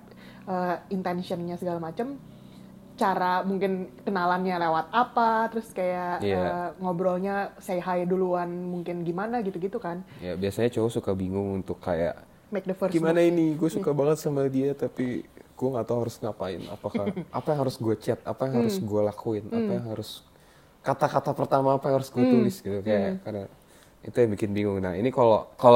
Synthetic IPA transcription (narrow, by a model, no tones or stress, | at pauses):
əint̪ɛnsiɔnɲasəɡalamat͡ʃəm | t͡ʃaɾamuŋkɪnkənalanɲalewat̪̚apat̪əɾʊskajaʔijaəŋobɾɔlɲasajɦajduluanmuŋkɪnɡimanaɡit̪uɡit̪ukanijabiasaɲat͡ʃoɦɔsukabiŋʊŋunt̪ʊkːa̰ja̰ʔ | mɛk̚nəfərɡimanainiɡuasukabaŋət̪̚samadiat̪apiɡ̥uaŋat̪awɦaɾʊsŋapaɪ̰na̰pakaʔapajaŋɦaɾʊsɡuat͡ʃɛt̪̚a̰pajaŋɦaɾʊsɡualakuɪnʔapajaŋɦaɾʊs | kat̪akat̪apərt̪amaːpajaŋhaɾʊsɡuat̪ulɪsɡit̪ukajakarda | it̪ujaŋbikɪnbiŋʊŋna̰inikalokalo